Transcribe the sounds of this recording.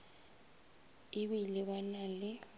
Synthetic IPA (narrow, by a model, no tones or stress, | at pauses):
iɓiliɓanali